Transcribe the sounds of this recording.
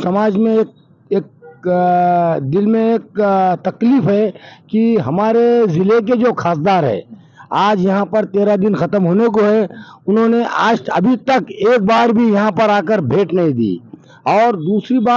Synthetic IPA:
sɐmaːd͡ʒmẽeːk̚ | eːk̚ | d̪ɪlmẽeːk̚t̪ɐkliːfɦɛkiɦɐmaːɾezɪlek̬ed͡ʒoːxʰaːsd̪aːɾɦɛ̰̃ː | aːd͡ʒjɐɦãpɐɾt̪eːɾad̪ɪnxɐt̪əmɦoːnek̬oɦɛʊnɦõːneʔaːd͡ʒɐ̰bʱit̪ɐkeːk̚baːɾbʱijɐɦãpɐɾaːkəɾbʱeːʈnɐɦĩd̪ḭː | ɔːɾd̪uːsɾibaː

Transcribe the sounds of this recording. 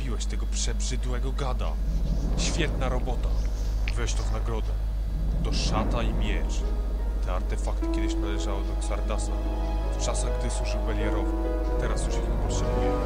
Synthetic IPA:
bʲiwɛɕt̪ɛɡɔpʂɛbʐɘd̪wɛɡɔɡad̪a̰ɕfʲjɛt̪naɾɔbɔt̪a | vɛɕt̪ɔvnaɡɾɔd̪ɛ | t̪ɔʂat̪aimʲjɛt͡ʂ | t̪ɛaɾt̪ɛfakt̪ɘ̥kʲjɛd̪ɘɕnalɛʐawɔd̪ɔksaɾd̪asa | ft͡ʂasaɣɡd̪ɘswuʐɘwbɛlʲjɛɾɔv | t̪ɛɾast̪uʂixpɔt̪ʂɛbujɛ

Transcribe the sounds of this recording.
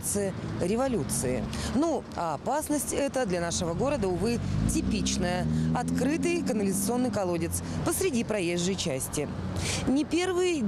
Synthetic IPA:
t̪sɨɾʲɪvɐlʲut̪sɨɪ̰nuaːpasnəsʲtʲɛt̪əd̪lʲanaʂɨvəɡo̞ɾəd̪əʊvɨtʲɪpʲit͡ɕnəjəɐt̪kɾɨt̪ɨjkənəlʲɪzət̪sɨo̞nːɨjkɐlˠodʲɪt̪spəsɾʲɪdʲipɾɐjeʐːəjt͡ɕæsʲtʲɪ | nʲɪpʲe̞rvɨj

